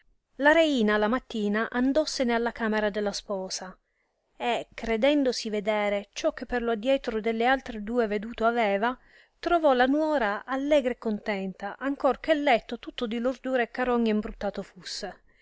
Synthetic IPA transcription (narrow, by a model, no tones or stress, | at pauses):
laɾeiːnalamat̪ːiːnaʔand̪ɔsːenealːakaːmeɾad̪elːaspɔːsa | ekːɾed̪ɛnd̪osived̪ɛːɾet͡ʃɔk̟ːepːerload̪jɛt̪ɾod̪elːealt̪ɾed̪uːeved̪uːt̪oavɛːva | t̪ɾovɔlanwɔːɾaʔalːɛːɡɾeekːont̪ɛnt̪aʔaŋkork̟elːɛt̪ːot̪ut̪ːod̪ilord̪uːɾekːaɾɔɲːeimbɾut̪ːaːt̪ofusːe